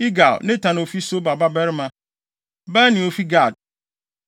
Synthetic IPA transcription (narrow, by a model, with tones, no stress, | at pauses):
i˦ɡa˨lnɪ̃˦tʰã˨n˨fi˦so˦ba˨ba˦bɛ˦ɾmã˦ | ba˦nɪ̃˨o˨fi˦ɡa˦˨d̚